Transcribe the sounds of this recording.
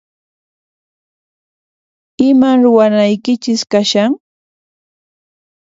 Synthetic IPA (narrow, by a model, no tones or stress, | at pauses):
ɪmaɾʊwanajkɪt͡ʃɪskaʃaŋ